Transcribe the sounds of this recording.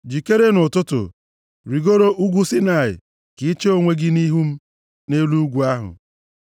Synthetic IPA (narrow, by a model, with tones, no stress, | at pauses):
d͡ʒi˨ke˦ɾe˦nʊ˨tʊ˦tʊ̰˨ | ɾi˨ɡo˦ɾo˦ʔu˦ɡʷu˦si˦na˨ɪ̰˨ | kɪ˨˦t͡ʃe˦o˦ŋʷe˦ɡɪ˦ni˦ɦu˦m̩˦ | ne˦lu˦u˦ɡʷu˨a˦ɦʊ̰˨